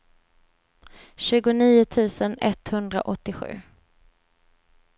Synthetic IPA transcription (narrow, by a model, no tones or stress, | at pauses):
ɕʉ̟ːɡʊniːʊt̪ʰʉ̟ːsənɛt̪hɵnd̪ɾa̰ʔɔt̪ːɪɧʉ̟̰ː